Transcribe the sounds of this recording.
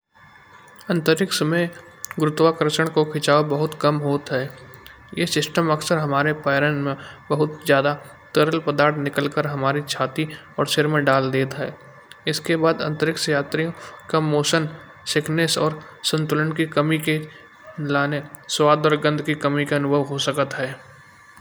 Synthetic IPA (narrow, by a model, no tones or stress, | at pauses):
ɐ̃nt̪əɾɪksmẽ | ɡɾʊt̪wakəɾəʃəɽ̃kokʰɪt͡ʃaːobɐɦʊt̪kɐmɦoːt̪ɦɛː | jeːsɪsʈəmɐksəɾɦɐmaːɾepaːɾənmẽbəɦʊt̪zjaːd̪a | t̪əɾəlpəd̪aːɾt̪ʰnɪkəlkəɾɦɐmaːɾit͡ʃʰaːt̪i | ɔːɾʃɪɾmẽɖaːld̪eːt̪ɦɛː | ɪskebaːd̪ɐ̰̃nt̪əɾɪksjaːt̪ɾijõkamoːʃən | sɪkʰneːsɔ̰ːɾ | sə̃nt̪ʊlənkikɐmike | laːne | swaːd̪ɔːɾɡə̃nd̪ʱkikɐmikeɐnʊbʱəʋɦosəkət̪ɦɛː